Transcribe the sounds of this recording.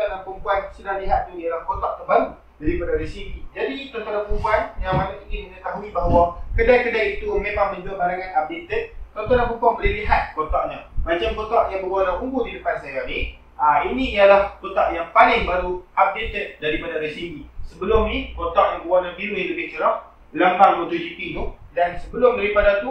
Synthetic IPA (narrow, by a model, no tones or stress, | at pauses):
t̪anaŋpumpuansudahliɦat̪̚t̪uialahkot̪aʔ̚t̪əbaɾu | daɾipadaɾesiŋid͡ʒadit̪ɔnt̪alapumpuanjaŋmanak̪ikiməŋət̪aɦuibaɦwakədajkədajit̪umemaŋmə̃ɲd͡ʒaʔbaɾaŋanap̚dit̪ət̪̚t̪ɔnt̪alapəmpuanbəlɪliɦat̪̚kot̪aʔɲamad͡ʒamkot̪ɔʔjaŋbəɡuanaʔuŋɡudidəpansajani | ainiijalaht̪ot̪aʔjaŋpalɪŋbaɾuʔab̚dit̪ət̪̚daɾipadaɾesiɲisəbəlʊmnikot̪ɔʔjaŋbəuanabiɾuniləkət͡ʃəɾɔʔ | ləmaŋbot̪ud͡ʒipinudansəbəlʊmdaɾipadat̪u